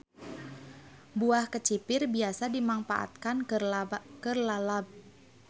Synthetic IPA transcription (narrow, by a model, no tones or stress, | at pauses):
buahkət͡ʃipɪrbiasadimaŋfa̰ʔa̰t̪̚kan | kərlalab̚